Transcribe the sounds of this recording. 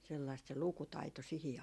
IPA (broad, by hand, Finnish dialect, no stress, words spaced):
selːɑist se lukutɑito sihi